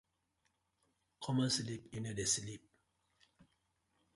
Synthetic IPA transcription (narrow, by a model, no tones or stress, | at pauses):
kʰɔmə̃slipĩnədeslip̚